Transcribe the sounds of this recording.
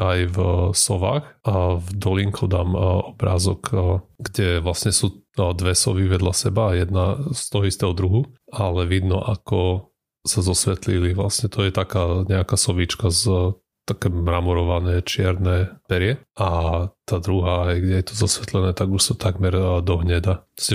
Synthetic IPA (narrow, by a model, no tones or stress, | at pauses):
ajvsɔʋa̰ːxvd̪ɔliŋkʰɔd̪aːmɔbɾa̰ːzɔ̰kːɡɟɛʋlasɲɛsuːd̪ʋɛsɔ̰ʋiʋɛd̪ʎasɛbajɛd̪nast̪ɔɦɔist̪ɛːɦɔd̪ɾuɦualɛʋid̪nɔ̰ʔakɔ | sazɔsʋɛt̪liliʋla̰sɲɛt̪ɔjɛt̪akaːɲɛakasɔʋit͡ʃkaz | t̪akɛːmɾamɔɾɔʋanɛːt͡ʃɪɛɾnɛːpɛɾɪɛʔat̪aːd̪ɾuɦaːɦɛjɡɟɛjɛt̪ɔzɔsʋɛt̪lɛnɛːt̪aɡuʃsat̪aɡmɛɾd̪ɔɦɲɛd̪at̪ɔ̥sɛ